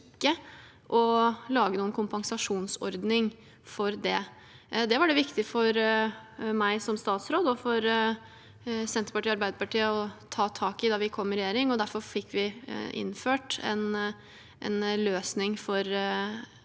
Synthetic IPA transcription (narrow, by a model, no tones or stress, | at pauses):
kːə | ʔɔlɑːɡənuːənkʰʊmpɑŋsɑʂuːnsɔ̰ɾd̪nɪŋ | fɔɾd̪ɛ | d̪ɛʋɑɖɛʋɪkt̪ɪfɔɾ | mæɪsɔmst̪ɑːt̪sɾoːd̪əɔfɔɾ | sɛnt̪ɾpɑʈiːɑɾbæɪd̪əɾpɑʈiːəɔt̪ʰɑːt̪ʰɑːkɪd̪ɑːʋɪkʰɔmːɾɛjeːɾɪŋɔd̪æɾfɔɾfɪkːʋɪʔɪ̰nːføːʈɛ̰n | ʔɛ̰nløːsnɪŋfɔɾ